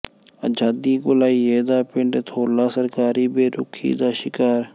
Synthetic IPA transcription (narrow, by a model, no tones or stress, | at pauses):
ə̰d͡ʒaːd̪iːɡʊlaːiːeːd̪aːpɪɳɖt̪ʰoːlaːsəɾkaːɾiːbeːɾʊkʰḭːd̪aːʃɪkaːɾ